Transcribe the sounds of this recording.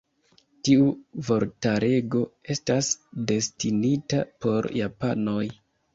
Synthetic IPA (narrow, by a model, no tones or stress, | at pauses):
tiuvo̞ɾtaɾe̞ɡo̞e̞stasde̞stinita̰po̞ɾjapano̞j